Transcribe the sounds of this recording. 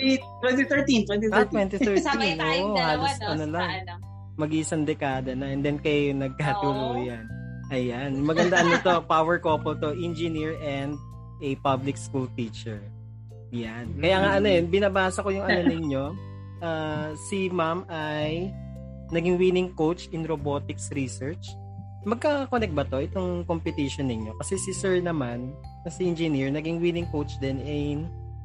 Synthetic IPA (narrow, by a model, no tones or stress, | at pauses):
t̪wɛnt̪iθɛɹt̪int̪wɛnt̪it̪wɛnt̪iɛɹt̪inʔoːʔohaːlost̪onɐlaŋ | mɐɡiɪsɐnd̪ɛkaːd̪ɐnɐʔɛnd̪ɛnkɐjjnɐɡ̚kat̪uluːjɐn | ʔɐjanmɐɡɐnd̪ɐʔɐnːɪt̪opawɛɹkoːpolt̪oʔɪnd͡ʒɪniɹʔɛnd̪̚ | ɛpablɪkskult̪iːt͡ʃɛɹ | jankɐjaːŋaʔɐnojonbɪnɐbaːsɐko̞jʊŋʔɐnonɪɲo̞ | ʔaːsɪmamʔaj | nɐɡɪŋwiːnɪŋkowt͡ʃʔɪnɾoboːt̪ɪksɾisɛɹt͡ʃ | mɐɡ̚kaɐkonɛk̪̚bɐt̪o̞ʔɪt̪oŋkompɪt̪iʃonːɪɲo̞kɐsɛsɪsɛɹnɐman | nɐsɪʔɪnd͡ʒɛniɹnɐɡɪŋwiːnɪŋkowt͡ʃd̪ɛnɪn